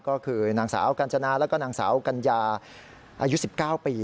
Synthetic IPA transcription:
kɔː˥˩kʰɯː˧naː˧˩ŋsa̰ː˩˦wka˧nt͡ɕʰa˧naː˧lɛː˦˥kɔː˥˩naː˧˩ŋsa̰ː˩˦wka˧njaː˧ | ʔaː˧ju˦˥si˨˩p̚kaː˥˩wpiː˧

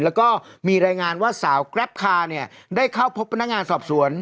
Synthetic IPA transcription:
lɛː˦˥wkɔː˥˩miː˧ɾaː˧jŋaː˧nwaː˥˩saː˩˦wkɾɛ˦˥p̚kʰaː˧ni˥˩ɐ | daː˥˩jkʰa˥˩wpʰo˦˥p̚ʰːa˧nːa˥k̚ŋaː˧nsɔː˨˩p̚su˩˦ən

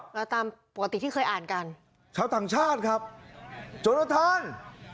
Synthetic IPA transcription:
kːt̪aː˧mpo˨˩ka˧t̪i˨t̪ʰiː˥˩ɤː˧jʔaː˨˩nka˧n | t͡ɕʰaː˧wt̪aː˨˩ŋt͡ɕʰaː˥˩t̪̚kʰa˦˥p̚ | t͡ɕo˧na˧˩t̪ʰaː˧˥n

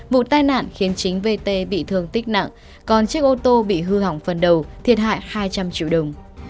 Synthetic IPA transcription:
vṵ˧˨t̪aː˧jna̰ː˧˨nxi˨˦ənt͡ɕï˨˦ŋ̟ve˧t̪e˧ɓḭ˧˨t̪ʰɨ˧˩əŋt̪ï˦˥k̟̚na̰˧˨ŋ | kɔ˨˩nt͡ɕi˦˥ək̚ʔo˧t̪o˧ɓḭ˧˨ɦɨ˧ha˧˩wŋ͡mfə˨˩nɗə˨˩wt̪ʰi˨˩ət̚ɦa̰ː˧˨jhaː˧jt͡ɕa˧mt͡ɕḭ˧˨wɗə˨˩wŋ͡m

